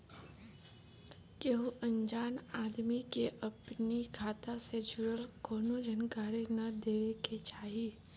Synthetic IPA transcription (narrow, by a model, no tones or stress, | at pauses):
keɦuʔɐ̃ɲd͡ʒaːnaːd̪mikeʔɐpnikʰaːt̪ased͡ʒʊɾəlkoːnod͡ʒənkaːɾenɐd̪eːʋeket͡ʃaːɦi